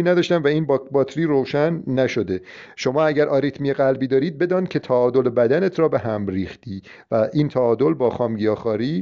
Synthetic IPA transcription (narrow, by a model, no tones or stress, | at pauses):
iːnæd̪ɒːʃt̪ænvæiːnbbɒːt̪ʰɾiːɾoʃænːæʃo̞d̪e̞ʃo̞mɒːæɟæɾʔɒːɾit̪ʰmiːjeɣælbiːd̪ɒːɾiːd̪̚be̞d̪ɒːnd̪̚cʰe̞t̪ʰæɒːd̪olebæd̪ænet̪ʰɾɒːbeɦæmɾiːxt̪iː | væʔiːnt̪ʰæɒːd̪o̞lbɒːxɒːmɟijɒːxɒːɾiː